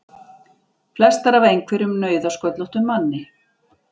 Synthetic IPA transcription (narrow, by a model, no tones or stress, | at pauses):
flɛst̪aɾavejŋkʰvɛɾʏmnœːɥðaskœt̪lɔht̪ʏnmanːɪ